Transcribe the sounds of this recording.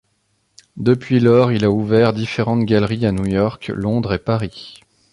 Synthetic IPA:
d̪əpɥilɔʁilauvɛʁd̪ifeʁɑ̃t̪ɡʲalʁianujɔʁklɔ̃d̪ʁepaʁi

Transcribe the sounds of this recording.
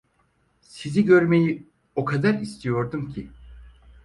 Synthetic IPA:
siziɟø̞ɾme̞ji | o̞kʰad̪aɾist̪ʰijo̞ɾd̪umcʰi

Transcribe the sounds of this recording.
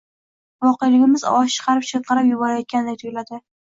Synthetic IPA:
vɒqejalɪɡʲɪmɪz̰ɒʃɨ̥qʰɑɾɪpʃet̪̚qɑɾɪpjʊbɒɾajɒt̪̚kʲʰand̪eɪt̪ʰʊɡʲlad̪ɪ

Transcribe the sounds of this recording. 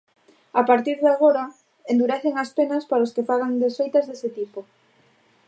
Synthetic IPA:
apaɾt̪iɾðaɣoɾa | end̪uɾeθeŋaspenaspaɾaoskefaɣaŋd̪esfejt̪azðeset̪ipo

